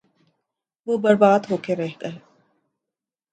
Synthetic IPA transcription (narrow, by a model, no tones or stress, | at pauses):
ʋoːbɐɾbaːd̪ɦoːkeɾɛɦkɐɦe